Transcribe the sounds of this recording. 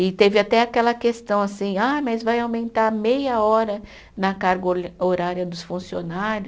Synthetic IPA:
ɪt̪evɪat̪ɛakɛlɐkest̪ɐ̃w̃asĩamɐzvajawmẽnt̪aɾmejɐɔɾɐ | nɐkaɾɡooɾaɾjɐd̪ʊsfũsionaɾʊ

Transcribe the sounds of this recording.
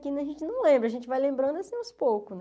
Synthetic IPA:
kĩnɐʒẽnt͡ʃɪnɐ̃w̃lẽmbɾɐʒẽnt͡ʃɪvajlẽmbɾɐ̃d̪asĩawspowkʊsn

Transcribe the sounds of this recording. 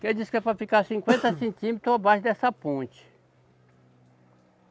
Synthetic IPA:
ked͡ʒiskɛpɾɐfikaɾsĩŋkwẽnt̪ɐsẽnt̪ĩmet̪ɾʊabaʃʊd̪ɛsɐpõnt͡ʃɪ̥

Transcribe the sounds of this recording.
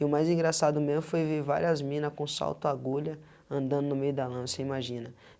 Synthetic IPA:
ɪʊmajzĩɡɾasad̪ʊmezmʊfojviɾva̰ɾiɐzmĩnɐskõsa̰wt̪ʊaɡuʎɐ | ɐ̃nd̪ɐ̃nd̪ʊnʊmejʊd̪ɐlɐ̃seimaʒĩnɐ

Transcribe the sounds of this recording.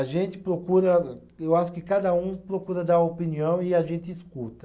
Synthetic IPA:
aʒẽnt̪ɪ̥pɾokuɾɐ | ewaʃʊ̥kɪkad̪ɐũpɾokuɾɐd̪aopiniɐ̃w̃ɪaʒẽnt̪ɪːskut̪ɐ

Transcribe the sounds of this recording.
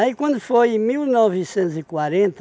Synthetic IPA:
aikwɐ̃nd̪ufojmilˠnɔvɨsẽnt̪uzikwaɾẽnt̪

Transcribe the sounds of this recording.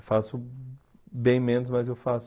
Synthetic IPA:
fasʊ | bẽj̃mẽnʊzmɐzewfas

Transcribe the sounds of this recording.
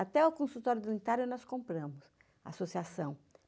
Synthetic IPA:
at̪ɛʊkõsut̪ɔɾjʊd̪ũnit̪aɾjʊnɔskõmpɾɐ̃mʊs | a̰asosiasɐ̃w̃

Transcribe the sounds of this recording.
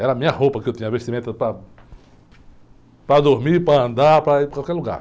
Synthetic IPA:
ɛɾamĩɲɐhopɐkɪewt̪ĩɲãvest̪imẽt̪upɾa | pɾad̪oɦmilpɾaɐ̃nd̪aɾpɾakwalkɛluɡa̰ɾ

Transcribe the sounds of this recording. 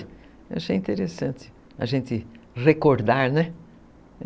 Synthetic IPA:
ewaʃejĩnt̪eɾesɐ̃nt̪ɪ̥ | ɐ̰ʒẽnt̪ɪ | ʁekoɾd̪aɾnɛ

